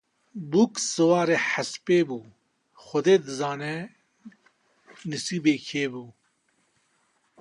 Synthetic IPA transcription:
buksɨwaːɾeːħaspeːbuː | xʊd̪eːd̪ɨzaːnɛ | nɨsiːbeːkʰeːbuː

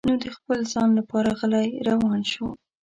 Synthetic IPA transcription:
nud̪əxpəlzɑnlapɑɾaɣəlajɾawɑnʃu

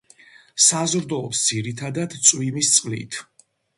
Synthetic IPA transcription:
sazɾd̪ɔːpsd̪ziɾit̪ʰad̪ad̪t̪sʼwimist̪sʼqʼlḭt̪ʰ

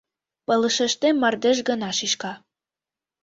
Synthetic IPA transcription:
pɤ̆lə̆ʃĕʃt̪emːɑrd̪ĕʒ̬ɡɤ̆nɑʃiʃkɑ

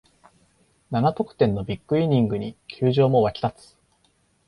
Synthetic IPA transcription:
nanat̪o̞kɯ̥t̪ẽ̞nːo̞bʲikːɯ̟iɲʲĩŋɡɯ̟ɲikʲʰɨːʑo̞ːmo̞βakʲi̥t̪at͡sɨ̥

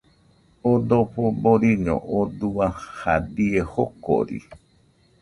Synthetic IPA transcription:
od̪opoboɾiɲõ̰ʔod̪uahad̪iehoko̰ɾḭ

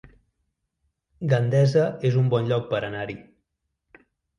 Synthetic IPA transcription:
ɡand̪ɛzəezumbɔnʎɔk̚pəɾənaɾi

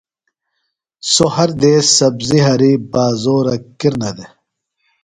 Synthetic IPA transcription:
sohɐɾd̪eːsɐbziɦɐɾibaːzoːɾɐkiɾnɐd̪e

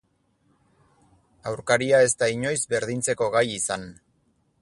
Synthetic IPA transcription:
awɾkaɾiae̞st̪aiɲo̞jzbe̞ɾðint͡se̞ko̞ɣ̞ajisan

